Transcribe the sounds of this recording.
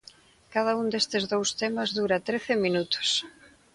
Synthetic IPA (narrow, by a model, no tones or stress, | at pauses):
kað̞ɐund̪est̪ɪzðowst̪emɐzðuɾat̪ɾeθɪminut̪o̥s